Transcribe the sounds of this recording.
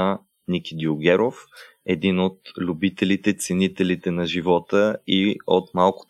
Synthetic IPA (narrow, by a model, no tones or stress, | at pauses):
nikʲid̪iʊɡɛɾof | ɛd̪inot̪lʲubit̪ɛlit̪ɛt̪sɛnit̪ɛlit̪ɛnɐʒivɔt̪əiot̪malˠkʊ̥